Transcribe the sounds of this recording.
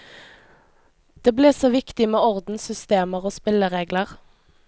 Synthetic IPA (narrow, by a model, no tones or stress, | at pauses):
d̪̥eːbleːsoːʋɪkt̪ɪmeːɔʁd̪n̩sʏst̪eːməʁoːspɪləʁeːɡləʁ